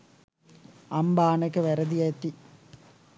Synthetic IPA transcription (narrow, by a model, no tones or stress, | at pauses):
ɐmbaːnɐkːɐʋɐɾɐd̪ijɐt̪ːi